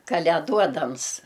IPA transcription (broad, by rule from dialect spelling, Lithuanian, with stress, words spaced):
kɐlʲɛˈduɔdɐms